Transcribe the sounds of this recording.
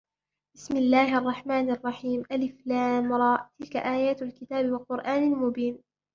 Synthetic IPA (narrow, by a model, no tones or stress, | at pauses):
b̥ɪsmɪlːaːhʔɑrˤːɑħmaːnʔɑrˤːɑħiːmʔalɪflaːmɾˤɑːʔt̪ɪlka̰ʔaːjaːt̪alkɪt̪aːbɪwɑqʊɾʔaːnalmʊbiːn